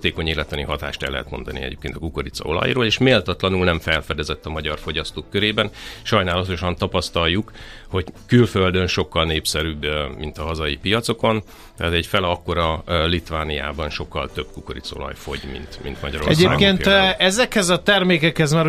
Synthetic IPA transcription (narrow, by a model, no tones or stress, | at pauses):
t̪eːko̞ɲeːlɛt̪lɒniɦɒt̪a̰ːʃt̪ɛlːɛɦɛ̰t̪mo̞̰nd̪ɒnḭɛ̰ɟḛːpkeːnt̪ɒ̥kukoɾit̪so̰lɒ̰jroːleːʃmeːlt̪ɒt̪lɒnulnɛɱfɛlfɛd̪ɛzɛt̪ːɒmɒɟɒrfo̞ɟɒst̪oːkːøɾeːbɛnʃɒjnaːlɒt̪o̞ʃɒnt̪ɒpɒst̪ɒlːuk | ho̞ɟkylføld̪ønʃo̞kːɒlneːpsɛɾyːbmint̪ɒɦɒzɒjipijɒt̪so̞ko̞n | t̪ɛɦaːt̪ɛɟfɛlɒkːo̞ɾɒlit̪vaːnija̰ːbɒnʃo̞kːɒlt̪øb̥̚kukoɾḭt̪so̞̰lɒ̰jfo̞ɟmḭnt̪mḭnt̪mɒɟɒɾorɛsɟaeːɡpɡkeːnɛzɛkhɛzɒt̪ɛrmeːkɛkhɛzmaːɾ